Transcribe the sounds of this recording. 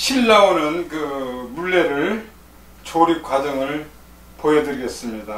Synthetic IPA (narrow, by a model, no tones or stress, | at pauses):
ɕʰiɭːaonɯnkɯmuɭːe̞ɾɯɭ | t͡ɕʰoɾip̚k͈wad͡ʑʌŋɯɭ | poedɯɾiɡe̞s͈ɯmɲida